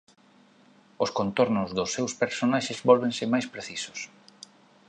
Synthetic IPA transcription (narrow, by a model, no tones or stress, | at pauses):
ʊskont̪oɾnʊzðʊsːewspeɾsonaʃezbɔlβẽŋsɪmajspɾeθisʊ̥s